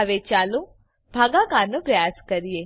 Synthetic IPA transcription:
aʋet͡ʃalũ | bʱaɡãkaɾnõpɾəjaskəɾije

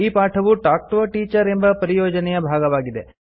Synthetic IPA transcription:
iːpaːʈʰɐʋuʈaːk̚ʈʋɐʈiːt͡ʃɐɾe̞mbɐpɐɾijɔːd͡ʒɐnɛjɐbʱaːɡɐʋaːɡid̪e

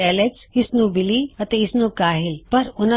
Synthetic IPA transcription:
ɛːleksɪsnũbɪliɐt̪ẽɪsnũkaːɦɪlpɐɾʊnã

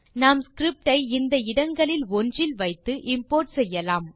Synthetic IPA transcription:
naːmskɾɪp̚ʈɐɪɪnd̪ɐɪɽɐŋɡɐɭɪlɔndrɪlʋɐɪt̪ːɯʔɪmpoːɾʈsɛjːɐlaːm

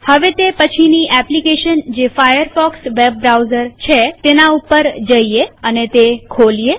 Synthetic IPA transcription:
həʋet̪epət͡ʃʰiniʔɛplikeʃənd͡ʒefajəɾfɔksʋeb̚ːɾawzəɾt͡ʃʰet̪enaupəɾd͡ʒəieənet̪ekʰolije

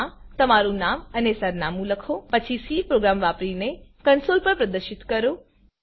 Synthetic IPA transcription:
t̪əmaɾũnamənesəɾnamũləkʰopət͡ʃʰisipɾoɡɾamʋapɾinekənsolpəɾpɾəd̪əɾʃɪt̪kəɾo

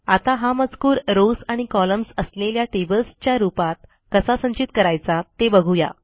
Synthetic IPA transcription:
at̪aɦaməd͡zkuːɾɾosaɽ̃ikɔləmsəsleljaʈebəlst͡ɕjaɾupat̪̚ | kəsasə̃ɲt͡ɕit̪kəɾajt͡sat̪ebəɡʱuja̰

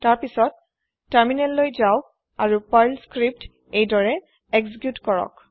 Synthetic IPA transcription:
taɹpisɔtː | aɹminɛlːojzaw | aɹupajlskɹip̚t | ejdɔɹɛ | ɛksikjutkɔɹɔ̰k

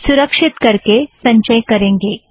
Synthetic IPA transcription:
sʊɾəkʂɪt̪kɐɾkesɐ̃ɲt͡ʃəjkɐɾẽːŋɡeː

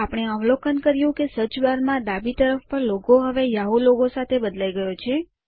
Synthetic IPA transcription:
apəɳ̃eəʋlokənkəɾjũkesət͡ʃbaɾmãd̪abit̪əɾəfpəɾlokoɦəʋejaɦuloɡosat̪ʰebəd̪laiɡəjot͡ʃʰe

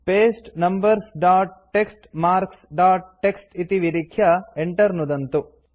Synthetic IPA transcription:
peːsʈnɐmbɐɾsɖaːʈ̚ʈːeksʈmaːɾksɖaːʈ̚ʈːeksʈit̪iʋiɾikʰjɐeɳʈɐɾnud̪ɐnt̪u

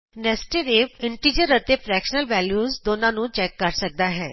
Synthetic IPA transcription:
nɛːsʈeɾeːpɪɳʈiːd͡ʒəɾət̪eːpʰɾɛːkʃənəlʋɛːljuːzd̪oːnãːnũːt͡ʃɛːkːəɾsək̚d̪aːɦɛː

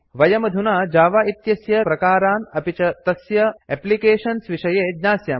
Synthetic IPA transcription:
ʋɐjɐmɐd̪ʱunaːd͡ʒaːʋaːit̪jɐsjɐpɾɐkaːɾaːnɐpit͡ʃɐt̪ɐsjɐɛplikeːʃɐnsʋiʃɐjeːd̪ɲaːsjaː

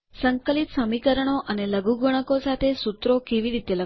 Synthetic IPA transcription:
səŋkəlit̪səmikəɾəɽ̃oʔəneləɡuɡəɽ̃əkosat̪ʰesut̪ɾokeʋiɾit̪elə

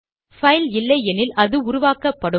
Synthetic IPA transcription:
fɐɪlɪlːɐɪɛnɪlʔɐðɯʊɾʊʋaːkɐpːɐɽɯ

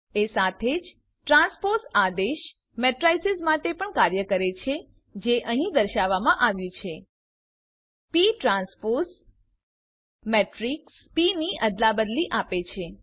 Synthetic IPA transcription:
esat̪ʰed͡ʒ | ʈɾãnspoɾsad̪eʃ | mɛʈɾajsɪzmaʈepəɳkaɾjəkəɾet͡ʃʰe | d͡ʒeʔəɦĩd̪əɾʃaʋamãʔaʋjũt͡ʃʰe | piʈɾãnspoɾs | meʈɾiks | piniʔəd̪labəd̪liʔapet͡ʃʰe

